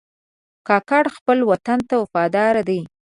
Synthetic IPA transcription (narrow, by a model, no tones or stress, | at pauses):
kɑkɑɽxpəlwat̪ant̪awafɑd̪ɑɾad̪ej